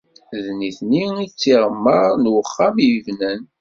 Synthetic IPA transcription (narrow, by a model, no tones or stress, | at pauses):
ðniθniit͡sːiʁəmːəɾnwəχːamjəvnən